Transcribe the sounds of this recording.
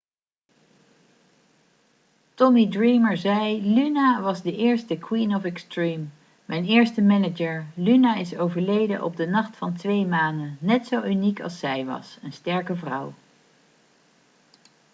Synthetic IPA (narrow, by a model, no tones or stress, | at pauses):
tɔmidɹiːməɹzɛjlynaʋɑzdəʔɪːɹstəkʰwinɔfɛkstɹimː | ɛjnɪːɹstəmɛnəd͡ʒəɹlynaɪsowvəɹlejdəʔɔ̰b̚dənɑχtfɑntʋejmaːndənɛtsowynikɑ̰lˠsɛjʋɑ̰sənstɛɹkəvrʌ̰w